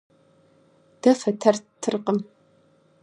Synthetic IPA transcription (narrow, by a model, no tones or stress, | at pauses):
d̥ɐfɐtʰɐrtʰːɨrqəm